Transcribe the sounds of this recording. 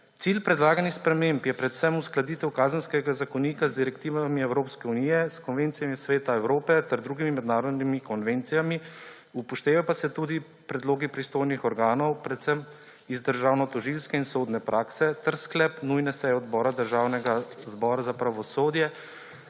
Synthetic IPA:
t̪silpɾɛd̪laːɡanixspɾɛmempjɛpɾɛt̪sɛmusklad̪iːt̪ɛwkaːzənskɛɡazakɔniːkazd̪iɾɛkt̪iːʋamiɛwɾoːpskɛunijɛskɔnʋent̪sijamisʋeːt̪aɛwɾoːpɛt̪ɛɾd̪ɾuːɡimimɛd̪naːɾɔd̪nimikɔnʋent̪sijami | upɔʃt̪eːʋɛpasɛt̪ud̪i | pɾɛd̪loːɡipɾist̪oːjnixɔɾɡaːnɔwpɾɛt̪səm | izd̪əɾʒaːwnɔt̪ɔʒilskɛinsoːd̪nɛpɾʔaːksɛt̪ɛɾsklɛpnujnɛsɛjɛɔd̪bɔːɾad̪əɾʒaːwnɛɡazbɔːɾazapɾaʋɔsoːd̪jɛ

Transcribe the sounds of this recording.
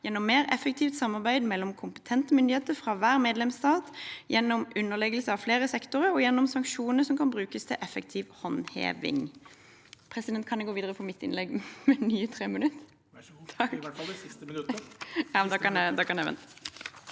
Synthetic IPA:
jɛnːɔmːeːɾɛfək̚t̪ʰiːft̪sɑmːɑʁbæɪd̪mɛlːɔmkʰʊmpə̥t̪ʰɛnt̪əmʏnd̪ɪeːt̪əfɾɑʋæːʁmeːd̪lɛmst̪ɑːt̪jɛnːɔmʉnːəʁlɛɡəlsəɑʋfleːɾəsɛkt̪ʊʁəɾɔjɛnːɔmsɑŋkʃuːnəsɔmkʰɑnbʁʉːkəst̪ʰɪlʔɛfəkt̪ʰiːʋhɔnhḛːʋɪ̰ŋ | pʰʁɛsɪd̪ɛnt̪kʰɑnɛɡoːʋiːd̪əʁəfpʰɔmɪt̪ːɪ̰nlɛɡmɛnyːət̪ʰɾeːmənʉt̪ːʰ | jɑd̪kɑnd̪ɑkɑnɛʋɛ̰nt̪

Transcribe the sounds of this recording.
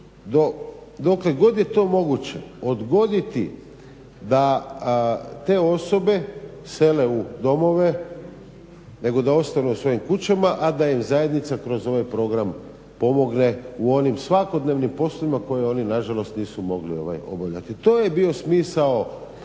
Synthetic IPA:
d̪od̪okle̞ɡo̞d̪jet̪o̞ːmo̞ɡut͡ɕe̞̰o̞d̪ɡo̞d̪it̪ḭ | d̪a | t̪e̞o̞so̞be̞ | se̞le̞ud̪o̞mo̞ʋe̞ | ne̞ɡo̞d̪ao̞st̪anuusʋo̞jimkut͡ɕamaʔad̪ajimzaje̞d̪nit̪sakɾo̞zo̞ʋajpɾo̞ɡɾam | po̞mo̞ɡne̞uo̞nimsʋako̞d̪ne̞ːʋnimpo̞sloʋimako̞jeo̞ːninaʒalˠo̞st̪niːsumo̞ɡlio̞̰ʋa̰jo̞̰baʎa̰t̪it̪o̞ːjebio̞smiːsao̞

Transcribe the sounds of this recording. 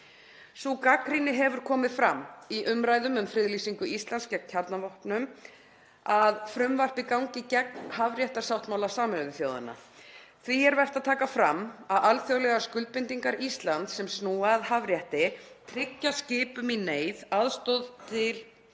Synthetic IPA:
sukakɾinɪɦɛvʏɾ̥kʰɔːmɪðfɾamːiʔʏmɾajðʏmʏmfɾɪðlisiŋkʏist̪lanskcɛ̥cʰaɾt̪navɔhpnʏm | aðfɾʏmvar̥pikawŋcɪcɛk̚nhavɾjɛht̪aɾ̥sawht̪mawlasaːmʏɾʏðɪθjoːwðɪ̰na̰ | θviɛɾvɛr̥t̪aðt̪ʰaːkafɾamːaðalθjowlɛɣaskʏlt̪̚pɪnt̪iŋkaɾist̪lant̪sɛmsnuːaðhavɾjɛht̪ɪt̪ʰɾɪcːascɪːpʏmineːjðaðst̪ɔðt̪ʰɪl

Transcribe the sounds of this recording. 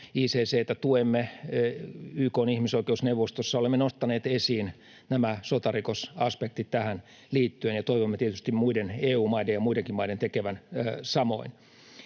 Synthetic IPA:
iːseːseːt̪ːæt̪uemːe | yːkoːnihmisoikeusneuʋːost̪osːɑolemːenost̪ɑneːt̪esiːn | næmæsot̪ɑrikosɑspek̚t̪it̪tæhæn | liːt̪ːyenjɑt̪oiʋomːet̪iet̪yst̪immuideneːuːmɑidejjɑmuideŋkimɑident̪ekeʋænːsɑmo̞̰in

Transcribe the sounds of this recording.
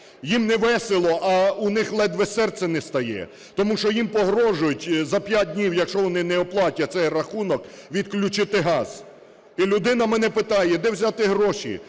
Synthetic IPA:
jimnɛʋɛselˠɔʔɐunɪxlˠɛd̪ʋɛsɛrt̪sɛnɛst̪ɐjɛ̰ | t̪ɔmuʃɔjimpɔɦɾɔʒʊjʊtʲzɐpʲjat̚ʲdʲnʲiwjɐkʃɔʋɔnɪnɛɔplˠɑtʲɐt̪sɛjrɐxunɔkʋʲid̪klʲʊt͡ʃɪt̪ɪɦɑz̥ | ilʲʊd̪ɪnɐmɛnɛpɪt̪ɑjɛd̪ɛwzʲat̪ɪɦɾɔʃḭ

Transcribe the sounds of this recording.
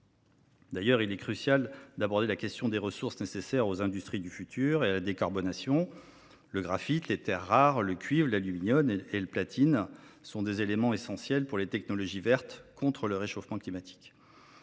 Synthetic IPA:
d̪ajœʁilɛkχysjald̪abɔʁd̪elakʲɛst̪jɔ̃d̪eʁəsuʁsnesesɛʁozɛ̃d̪yst̪χid̪yfyt̪ʰyʁealad̪ekaʁbɔnasjɔ̃ | ləɡʁafit̪let̪ɛʁːaʁləkʲɥivlalyminjɔneləplat̪ʰinsɔ̃d̪ezelemɑ̃esɑ̃sjɛlpuʁlet̪ɛknɔlɔʒivɛʁt̪kɔ̃t̪χələʁeʃofmɑ̃klimat̪ʰi̥k

